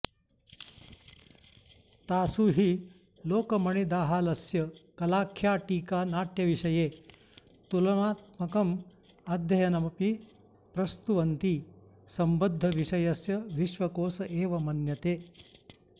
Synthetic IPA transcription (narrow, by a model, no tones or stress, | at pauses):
t̪aːsuɦi | loːkɐmɐɳid̪aːɦaːlɐsjɐkɐlaːkʰjaːʈiːkaːnaːʈjɐʋiʃɐjeː | t̪ulɐmaːt̪mɐkɐmɐd̪ʱjɐjɐnɐmɐpi | pɾɐst̪uʋɐnt̪i | sɐmbɐd̪ʱːɐʋiʃɐjɐsjɐʋiʃʋɐkoːsɐʔeːʋɐmɐnjɐt̪eː